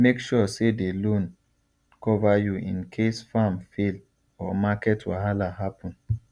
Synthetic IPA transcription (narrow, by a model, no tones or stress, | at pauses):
mekʃɔsedelõn | kɔvajuḭ̃nkʰesfamfel | ɔmakɛtwɔ̰ɦalaɦapʰɔ̃n